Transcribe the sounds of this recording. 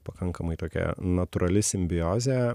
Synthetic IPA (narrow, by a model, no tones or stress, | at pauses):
pɐkɐŋkɐmɐɪt̪oːkʲɛ̰nɐt̪ʊɾɐlʲɪsʲɪmʲbʲɪjoːzʲe